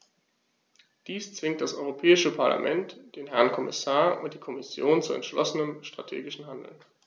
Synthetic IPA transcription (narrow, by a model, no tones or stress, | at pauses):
d̥iːst͡sv̥ɪŋkt̚d̥asʔɔʏʁ̞opʰɛːɪʃəpʰaɐla̰mʔɛntd̥eːnɦɛɐnkʰɔmɪsaːɐʔʊ̰nt̚d̥iːkʰɔmɪsjoːnt͡suɛ̰ntʃlɔsənəmʃtʁ̥a̰tʰḛːɡɪʃn̩ɦandl̩n